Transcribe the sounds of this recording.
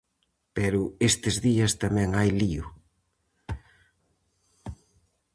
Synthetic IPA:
pɛɾʊest̪ɪzðiɐst̪amɛ̃ŋajliʊ

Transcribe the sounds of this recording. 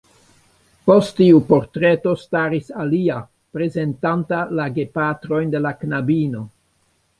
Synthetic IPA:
po̞stːiupo̞ɾtɾeto̞staɾisalia | pɾe̞ze̞ntantalaɡe̞patɾo̞jnde̞laknabino̞

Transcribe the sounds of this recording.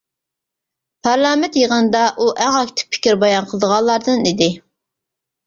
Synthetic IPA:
pʰæɾlˠɑːmɛt̪jeʁɑnd̪ɑʔuʔæŋɑkʲt̪ʰɪ̥pʰɪ̥kʲiɾbɑjɑnqʰəlˠəd̪əʁɑlˠːɑɾd̪ɨnid̪ɪ

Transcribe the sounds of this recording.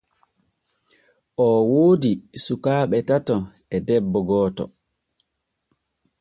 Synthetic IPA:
ʔɔwoːdisukaːɓɛtatɔ | ɛdɛbːɔɡɔːtɔ̰

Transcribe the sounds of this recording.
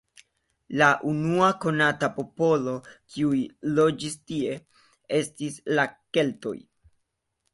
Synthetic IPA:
laʔunuako̞natapo̞po̞lo̞kʰiujlo̞d͡ʒistie̞ | e̞stislake̞lto̞̰j

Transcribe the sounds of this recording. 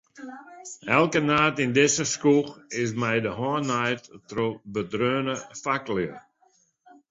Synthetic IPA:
ɛlˠkənaːtɪndɪsəskuxɪs̬mɛjdəɦɔnajttrobədrøːnəfakljə

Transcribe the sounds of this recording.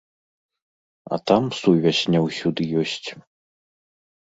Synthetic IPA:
ɐ̰t̪amsuvʲɛsʲnʲɛwsʲud̪ɨjɔsʲt͡sʲ

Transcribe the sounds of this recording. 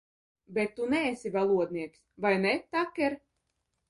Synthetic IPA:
bɛt̪ːunɛːsʲivalˠuɔd̪niɛksvajnɛt̪akʲːɛɾ

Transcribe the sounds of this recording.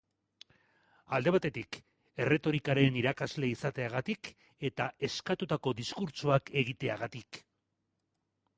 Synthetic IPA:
ald̪e̞β̞at̪e̞t̪ik | e̞re̞t̪o̞ɾikaɾe̞niɾakazle̞isat̪e̞aɣ̞at̪ik | e̞t̪ae̞skat̪ut̪ako̞d̪iskuɾt͡ʃuake̞ɣ̞it̪e̞aɣat̪ik

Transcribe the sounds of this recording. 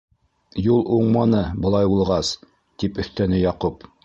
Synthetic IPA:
julˠuɴmɑnɤbɤ̆lˠɑjbulˠʁɑs | t̪ipɵ̆θt̪ænɘjɑqup

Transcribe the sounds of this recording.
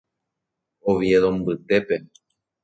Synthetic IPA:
oʋjeðõmbɨt̪e̞pe

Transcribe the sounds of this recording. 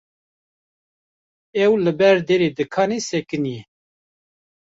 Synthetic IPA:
ɛwlɨbɛɾd̪eɾed̪ɨkʰɑːnesɛkɨnijɛ

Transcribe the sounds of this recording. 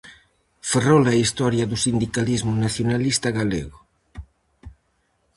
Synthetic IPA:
ferolaist̪ɔɾjaðusind̪ikalizmunaθjonalist̪aɣaleɣo

